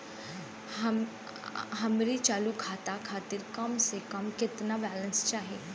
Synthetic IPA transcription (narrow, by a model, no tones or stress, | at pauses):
ɦɐmɾit͡ʃaːlukʰaːt̪akʰaːt̪ɪɾkɐmsekɐmkɪt̪nabɛːlə̃nst͡ʃaːɦe